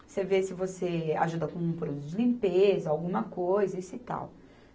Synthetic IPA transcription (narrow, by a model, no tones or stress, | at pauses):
sevesɪvosea̰ʒud̪ɐkõpɾod̪ut̪ʊd͡ʒɪlĩmpezɐawɡũmɐkojzɐisʊit̪a̰w